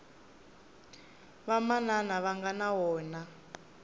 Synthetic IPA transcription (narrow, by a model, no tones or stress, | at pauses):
βamananaβaŋɡanawɔːna